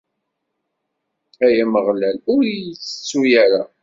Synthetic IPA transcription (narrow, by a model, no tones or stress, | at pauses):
æjæməʁlælʊɾjt͡sːə̥t͡sːujæɾa